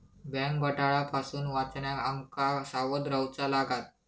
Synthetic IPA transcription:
bɛ̃ŋkbəʈaɭapasuːnʋat͡sɳjaaŋkasaʋəd̪ɾawt͡salaɡat̪̚

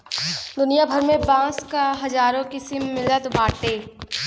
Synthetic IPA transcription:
d̪ʊnijabʱəɾmẽbãːskaɦɐzaːɾõkɪsɪmːɪlət̪baːʈeː

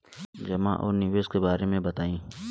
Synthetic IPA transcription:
d͡ʒɐmã̰ʔɔ̰ːɾniːʋeːskebaːɾemẽbɐt̪aːĩː

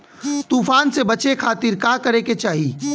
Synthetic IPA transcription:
t̪uːfaːnsebɐt͡ʃekʰaːt̪ɪɾkakɐɾeket͡ʃaːɦi

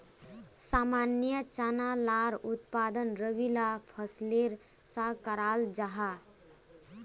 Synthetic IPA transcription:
saːmaːnjət͡ʃanalaɾʊt̪paːd̪ənɾəʋilapʰəsleɾ | sãkəɾaːld͡ʒaɦa

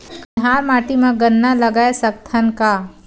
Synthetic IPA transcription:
kɦaːɾmaːʈimẽɡənːalɐɡaesɐk̚t̪ʰənka

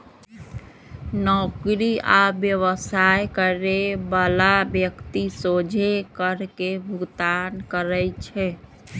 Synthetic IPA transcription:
nɔkɾia̰bjəʋəsajkəɾebəlabjəkt̪isod͡ʒʱekəɾkebʱuɡt̪ankəɾəjt͡ʃʰɛ

